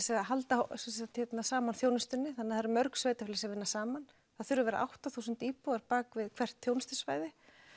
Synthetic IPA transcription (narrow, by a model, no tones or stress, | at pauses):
sɛaɦalt̪asɛst̪hɛt̪nasaːmanθjoːwnɪst̪ʏnːɪθanːɪðaðɾmœɾksveːjt̪afɪlɪsɛvɪnːasaːman | θaðθʏɾʏvɛːɾa̰ʔa̰wht̪aθuːsʏnt̪iːpuaɾpaːkvɪðkʰv̥ɛr̥t̪θjoːwnɪst̪ʏ̥svaːjðɪ